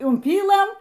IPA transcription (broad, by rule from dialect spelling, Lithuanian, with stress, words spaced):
ʊmʲˈpʲiːlˠɘm